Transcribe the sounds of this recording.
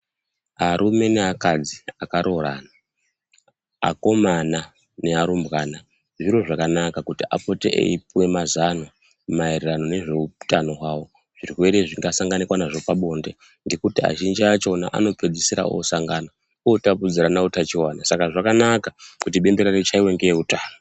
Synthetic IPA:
aɾʔume̞neakad͡ziakaɾo̞ɾa̰ːna | a̰ko̞mana | ne̞aɾumbɣana | ʐiɾo̞ʐakanakakutiʔa̰po̞tḛʔḛipuwe̞mazano | mairirano̞ne̞ʐe̞utano̞ɦwawo̞ | ʐ̥irwe̞ɾe̞ʐiŋɡasaŋɡanikwanaʐo̞paɓo̞ːnde̞ | ŋɡe̞kutia̰ʒind͡ʒiat͡ʃo̞na̰ʔa̰no̞ped͡zisiɾa̰o̞̰saŋɡana | otapud͡ziɾanautat͡ʃiwanasakaʐakanakakutiɓe̞mbeɾaret͡ʃaiwe̞ŋɡeeutaːno

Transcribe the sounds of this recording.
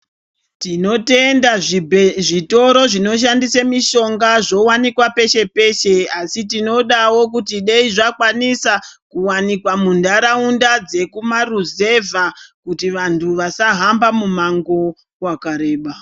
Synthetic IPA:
tino̞te̞ndaʐʐito̞ɾo̞ʐino̞ʃ̬andisamiʃo̞ŋɡaʐo̞wanikwape̞ʃe̞pe̞ʃe̞asitino̞ɗawo̞k̬utiɗeiʐakwanisakuwanikwamundaɾaundad͡ze̞kumaruze̞vakutiʋantʰuʋasaɦambamumaŋɡo̞ | wakaɾe̞ːɓa

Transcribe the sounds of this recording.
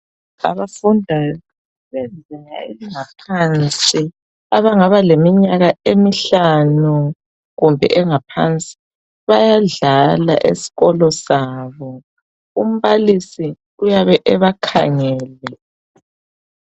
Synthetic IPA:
a̰βafundʱa | βɛnd͡zʱiŋa̰eliŋapʰant͡sʼi | aβaŋaβalemiɲaɣaemiɬanu | ɣumbʱɛ̰ʔɛŋapʰa̰nt͡sʼi̥ | βajaɮala̰ʔḛsi̥ɣɔlɔsaːβɔ | um̩βalisi | ujaβɛʔɛβakʰa̰ŋɛːlɛ

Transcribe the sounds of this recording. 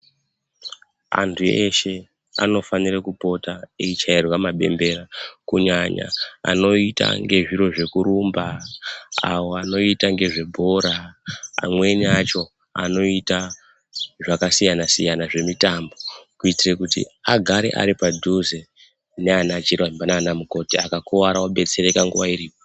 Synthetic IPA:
a̰ntʰueʃe̞ | a̰no̞fanirekupo̞taeit͡ʃairwamaɓe̞mbe̞ɾakuɲaɲa̰a̰no̞ita̰ŋɡe̞ʐiɾo̞ʐe̞kuɾumba | a̰wo̞ano̞itaŋɡe̞ʐe̞bʱo̞ɾaa̰mwe̞niat͡ʃo̞ | a̰no̞ita | ʐakasijanasijanaʐe̞mitambo̞kuitire̞kutḭaɡʱaɾḛʔa̰ɾipadʱuze | neanat͡ʃirwambanaːnamuko̞tiakakuwaɾawaɓe̞t͡se̞ɾe̞kaŋɡuʋaiɾiːpo

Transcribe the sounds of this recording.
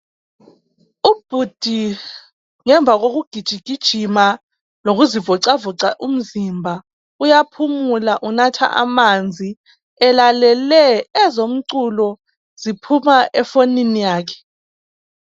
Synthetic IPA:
ub̥ʱud̥ʱi | ŋɛɱb̪vʱaɣoɣ̬uɡ̥ʱid̥ʒ̥ʱiɡ̥ʱid̥ʒ̥ʱima | loɣuzivɔǀavɔǀaʔum̩zimbʱa | ujapʰumulaʔunatʰa̰ʔa̰mand͡zʱi | ɛlalɛlɛɛzom̩ǀulɔ | z̥ipʰumaʔɛfoninijaːkʰɛ̥

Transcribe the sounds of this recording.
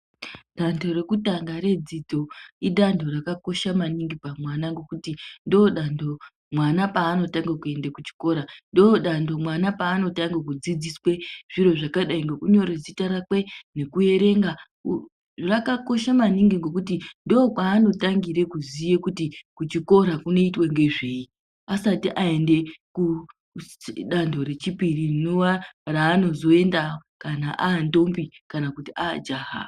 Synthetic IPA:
ɗandʱo̞ɾe̞kutaŋɡaɾe̞d͡zid͡zo̞iɗandʱo̞rakako̞ʃamaniŋɡipamwanaŋɡo̞kutindoɗando̞ | mwanapaːno̞taŋɡakue̞ndekut͡ʃi̥ko̞ɾandoɗando̞mwanapaːno̞taŋɡakud͡zid͡ziswe̞ʐ̥iɾo̞ʐakaɗaiŋɡo̞kuɲo̞ɾed͡zitaɾakwe̞ne̞kue̞ɾe̞ŋɡa | rakako̞ʃamaniŋɡiŋɡo̞kutindoːkwaːno̞taŋɡiɾe̞kuzije̞kutikut͡ʃiko̞ɾakuno̞itwe̞ŋɡe̞ʐe̞i | asatiʔae̞nde̞ku | ɗando̞ɾe̞t͡ʃipiriinowaraːno̞zo̞e̞ndakanaʔaːndo̞mbikanakutia̰d͡ʒaːɦa̰

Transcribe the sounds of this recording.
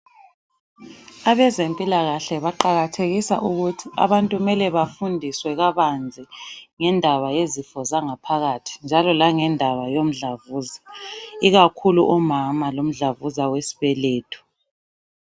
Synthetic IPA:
aβɛzempʼilaɣaɬɛβaǃaɣatʰeɣisa̰ʔuɣutʰia̰βantʼumɛlɛβafundʱiswɛɣaβand͡zʱiŋɛndʱaβajezifɔzaŋapʰaɣatʰi̥nd͡ʒʱalɔlaŋɛndʱaβajom̩ɮavuːzaiɣakʰuluʔɔmamalom̩ɮavuzawesi̥βɛleːtʰu̥

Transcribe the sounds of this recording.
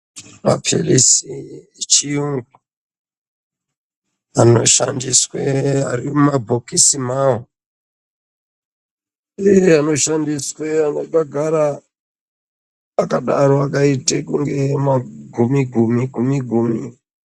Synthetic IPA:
ma̰pḭrisiet͡ʃiuŋɡu | ano̞ʃa̰ndiswea̰rimumabʱokisimawo | eano̞ʃandisweanokaɡʱaɾa | akaɗaɾoakaitekuŋɡemaɡʱumiɡʱumiɡʱumiɡʱumi

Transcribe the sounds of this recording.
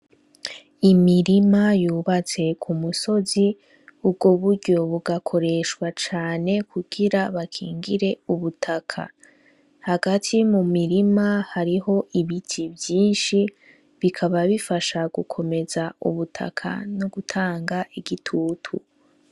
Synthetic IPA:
imiɾimajuːβat͡se̞kʰumuso̞zi | ub̚ɡoβuɾɟo̞βuɡakʰo̞ɾe̞ʃwat͡ʃaːne̞kʰuɡ̥iɾaβakʰḭːŋɡiɾe̞uβutʰakʰa̰ | haɡatʰimumiɾimahaɾiɦo̞ʔiβitʰibjiːnʃi | βikʰaβaβifaʃaɡ̥ukʰo̞me̞zaṵβutʰa̰kʰa̰no̞ɡutʰaːŋɡaʔiɡitʰuːtʰṵ

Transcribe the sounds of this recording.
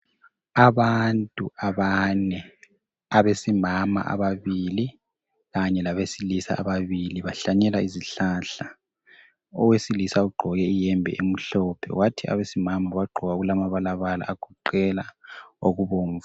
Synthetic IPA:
aβantʼuaβanɛ | aβesimama̰ʔa̰βaβili | ɣaɲɛlaβesilisa̰ʔːβaβiliβaɬaɲɛlaiziɬaːɬa | ɔwesilisauɡ͡ǃʱɔɣɛijɛmbʱɛ̰ʔem̩ɬɔːpʰɛ̰watʰia̰βesimamaβaɡ͡ǃʱɔɣaɣulamaβalaβala̰ʔaɡ̥ʰʱuǃɛlaoɣuβoːɱv

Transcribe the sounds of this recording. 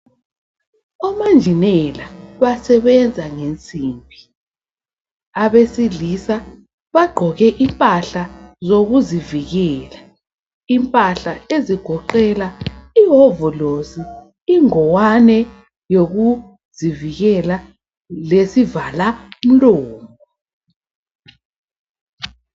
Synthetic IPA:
ɔmand͡ʒʱinɛlaβasɛβɛnd͡zʱaŋent͡sʼiːmbʱi | aβesilisa | βaɡ͡ǃʱɔɣɛʔimpʼaɬazoɣuziviɣɛːla | impʼaɬaeziɡ̥ʱɔǃɛlaiɦovɔlosi | iŋɔwanɛ | joɣu | ziviɣɛla | lesivalam̩lɔːmɔ

